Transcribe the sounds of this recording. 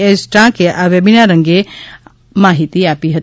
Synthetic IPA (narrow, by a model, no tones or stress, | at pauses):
esʈãkeʔaʋjɐbinaɾə̃ŋɡe | maːɦit̪iaːpiɦət̪